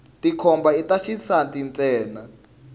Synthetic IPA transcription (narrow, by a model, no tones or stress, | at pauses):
tʼikʰɔmbaitaʃisatʼint͡sʼɛːna